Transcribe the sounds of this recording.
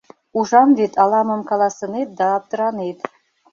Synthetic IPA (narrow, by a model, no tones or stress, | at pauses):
uʐɑmvet̪ʰɑlˠɑmɤ̆mkɑlˠɑsɤ̆net̪̚d̪ɑːp̚t̪ɤ̆ɾɑnet̪